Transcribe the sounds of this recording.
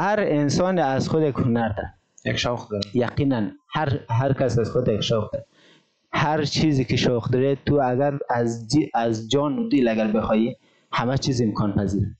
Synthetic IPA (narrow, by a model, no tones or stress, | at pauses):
haɾɪnsɔniazxʊd̪ekhʊnaɾd̪a̰ | jakʃɔxd̪jaqinanhaɾɦaɾkasazxʊd̪jekʃɔxd̪a | haɾt͡ʃʰizikɪʃɔxd̪ɔɾet̪ʰuaɡaɾazazd͡ʒɔnʊd̪ilaɡaɾbɪxɔji | hamat͡ʃʰizimkʰɔnpaziɾ